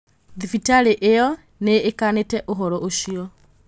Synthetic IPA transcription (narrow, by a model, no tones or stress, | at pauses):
ðifitaɾeʔejɔ | neːkanetɛʔoɦɔɾɔʔoɕiɔ